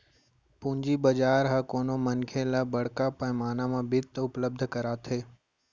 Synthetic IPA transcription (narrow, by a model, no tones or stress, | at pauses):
pʊ̃ːɪ̃ɲd͡ʑibɐd͡ʒaːɾɦaːkoːnomɐnkʰẽlaːbɐɽ̤kapɐ̃maːnamãbɪt̪ʊpləb̚d̪ʱəkɐɾaːt̪ʰeː